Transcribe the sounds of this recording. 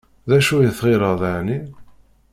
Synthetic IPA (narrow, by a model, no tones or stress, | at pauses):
ðæʃujəθʁɪɾəʁðaʕni